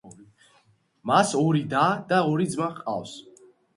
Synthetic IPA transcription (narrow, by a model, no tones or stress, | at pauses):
masɔɾid̪ad̪aɔɾid̪zmaqʼa̰fs